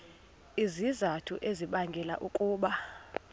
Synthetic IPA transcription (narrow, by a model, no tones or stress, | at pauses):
izizatʰuʔeziɓaŋɡʱɛla̰ʔukʼuːɓa